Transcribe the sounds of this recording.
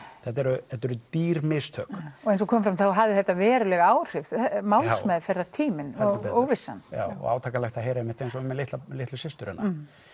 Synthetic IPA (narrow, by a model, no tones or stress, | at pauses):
θɛt̪ɛɾʏθɛt̪ːɛɾʏt̪iːɾmɪst̪ʰœ̰ːkɔejnsɔkʰɔːmfɾamθawɦavðɪθɛht̪ːavɛːɾʏlɛɣaaːwr̥ɪfmawlsmɛðfjɪɾɪðat̪ʰiːmɪnɔoɣvɪsːa̰nja̰ːwɔ̰ɣa̰wt̪ʰaːkalɛxt̪aheːjɾaɛmɪht̪ejnsɔʏmːɛlɪht̪lalɪht̪lʏsɪst̪ʏɾɛ̰nːa